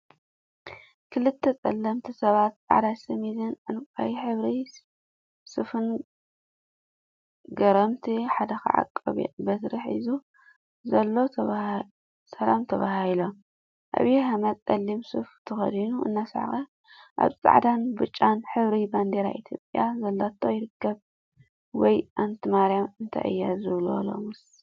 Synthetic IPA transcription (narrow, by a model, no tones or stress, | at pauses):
kʰɨlɨt̪ʰːɐt͡sʼɐ̰lːɐmt̪ʰisɐβat̪̚t͡sʼa̰ʕd̪asɨmizɨnʕɨnkʼa̰jiħɨβɾi | sɨfɨn | ɡɐɾɐmt̪ʰiħad̪ɐxa̰ʕa̰kʼːɐβḭbɐsɾiħḭzu | zɐlːo̞ | sɐlamt̪ʰɐβahhilom | ʔa̰βjehamɐt͡sʼɐlːimsɨft̪ʰɨxɐ̰d̪inuɨ̰nːasaʕ̰xɐ | ʔa̰βt͡sʼa̰ʕd̪anbɨt͡ʃʼːanħɨβɾiband̪eɾaʔit̪ʰjopʼjazɐlːat̪ʰːojɪɾɨkːɐβ | wɔjʔant̪ʰɨmaɾijamɨnt̪ʰa̰jʔɨ̰jːazɨβlo̰lo̰mɨs